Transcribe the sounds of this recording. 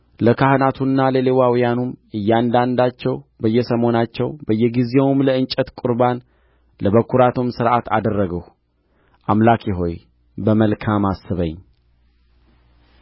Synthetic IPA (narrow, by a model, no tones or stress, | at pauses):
ləkʰahnat̪ʰunːaləlewawjanumɨjːand̪and̪at͡ʃːɛwbəjːɛsəmo̞nat͡ʃːɛwbəjːɛɡizewumləɨnt͡ʃʼːət̪kʼuɾban | ləβəkʰːuɾat̪ʰomsɨɾʔat̪ʰa̰d̪ərːəɡəh | ʔamlakʰiɦo̞j | bəməlkʰamasːɨβəɲː